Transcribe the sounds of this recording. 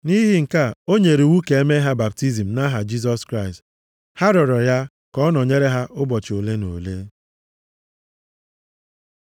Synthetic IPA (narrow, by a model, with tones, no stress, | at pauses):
ni˦ɦi˦ŋ̩˨ka˦˨o˦ɲe˨ɾi˨wu˦ke˨e˦me˦ɦa˦ba˨p̚ti˦zi˨m̩˨na˦ɦa˨d͡ʒi˦z̬ɔ˦skɾa˦ɪ˨st | ha˦ɾɔ˨ɾɔ˨ja˦ | kɔ˦nɔ˨ɲe˦ɾe˦ɦa˦ʔʊ˦bɔ˨t͡ʃo˨le˦no̰˨le˦